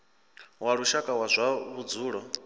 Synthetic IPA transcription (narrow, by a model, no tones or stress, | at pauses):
waɺuʃakʼawazʷaβud͡zuːɺɔ